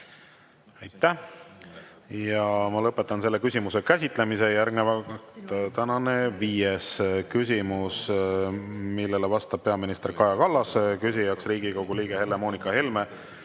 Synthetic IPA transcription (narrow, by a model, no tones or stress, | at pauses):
ejt̪ːˑæ | jɑmɑlɤpːˑe̞t̪ːˑɑnse̞lːe̞kysʲimuse̞kæsʲit̪ˑle̞mise̞jærɡnevɑt̪t̪ænɑneviːjeskysʲimus | milːe̞levɑst̪ɑb̥̚peɑminist̪e̞rkɑjɑkɑlːɑskys̬ʲijɑksriːɡiko̞ɡuliːɡ̥ehe̞lːemoːnikːˑɑhelme̞